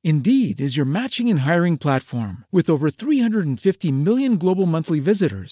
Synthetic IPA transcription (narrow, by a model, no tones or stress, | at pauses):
ɨ̃ndiɾɪzjə˞mæt͡ʃɪ̃ŋɨ̃nɦaɪɹɪ̃ŋpʰl̥ætfɔɹmwɨðoʊvə˞θɹihʌ̃ndɹəɾn̩fɪftimɪlˠjɨ̃nɡloʊbl̩ˠmʌ̃nθlivɪzɨɾə̰˞z̥